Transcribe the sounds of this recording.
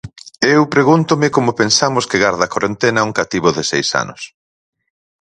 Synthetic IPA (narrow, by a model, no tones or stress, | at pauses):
ewpɾeɣunt̪ʊmɪkomʊpensamʊskɪɣaɾðɐkoɾent̪enɐuŋkat̪iβʊðɪsejsa̰nʊ̰s